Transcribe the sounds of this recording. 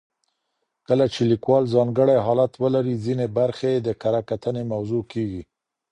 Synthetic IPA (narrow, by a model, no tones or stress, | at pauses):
kəlat͡ʃelikwɑlzɑŋɡəɽajɦɑlat̪wəlaɾizinebaɾxeed̪əkaɾakat̪ənemawzokeɡi